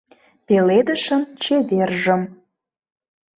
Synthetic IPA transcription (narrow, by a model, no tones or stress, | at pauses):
peled̪ə̆ʃəmt͡ɕeverʒə̆m